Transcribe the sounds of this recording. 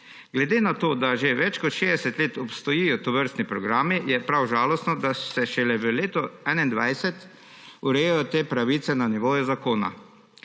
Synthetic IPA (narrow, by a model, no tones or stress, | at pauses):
ɡlɛd̪eːnat̪oːd̪aʒeʋɛt͡ʃkɔt̪ʃeːd̪ɛsɛt̪leːt̪ɔpst̪ɔjijɔt̪ɔʋəɾst̪nipɾɔɡɾaːmijɛpɾawʒaːlɔst̪nɔd̪asɛʃɛlɛʋəleːt̪ɔɛnaind̪ʋajsɛt̪ | uɾɛjɛjɔt̪eːpɾaʋit̪sɛnaniʋoːjuzakoːna̰